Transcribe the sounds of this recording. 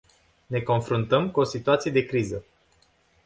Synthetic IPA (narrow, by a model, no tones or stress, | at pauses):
ne̞ko̞nfɾunt̪əmkuo̞sit̪uat̪sije̞d̪e̞kɾizə